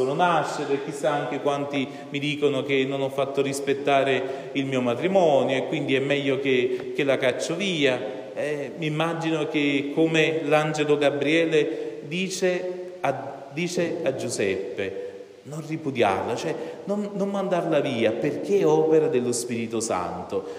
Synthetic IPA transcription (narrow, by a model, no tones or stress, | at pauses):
soːnonaʃːeɾek̟isːaaŋk̟ekwant̪i | mid̪iːkonok̟enːonɔfːat̪ːʊrispet̪ːaːɾe | ilmiːomat̪ɾimɔːnjoekːwind̪iɛmːɛʎːok̟ek̟elakat͡ʃːoviːa | ɛmiːmːad͡ʒinok̟ekːomeland͡ʒeloɡabɾiɛːled̪iːt͡ʃe | a | d̪iːt͡ʃead͡ʒːuzɛpːe | nonripud̪ja̰rlat͡ʃoɛnonːommand̪arlaviːaperk̟eɔːpeɾad̪elːospiːɾit̪ʊsa̰nt̪o